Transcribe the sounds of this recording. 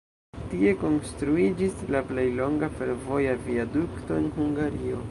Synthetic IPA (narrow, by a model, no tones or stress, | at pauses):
tie̞ko̞nstɾuid͡ʒislaplejlo̞ŋɡafe̞ɾvo̞javiadukto̞enhuŋɡaɾio̞̰